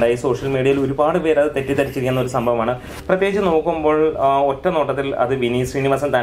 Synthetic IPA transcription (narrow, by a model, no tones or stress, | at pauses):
ɖaːjiso̞ːʂjɐlmiːɽiɐjilo̞ɾubaːɽɨpe̞ːɾɐðɨt̪e̞tːit̪ɐɾit͡ɕːiɾikʲunːɐo̞ɾusɐmbʱɐʋɐmaːɳɨ | prɐt̪jeːit͡ɕːɨno̞ːkːumbo̞ːɭotːɐmnoːʈːɐt̪ːilɐ̰ðɨʋinisriːnimaːsɐmt̪aː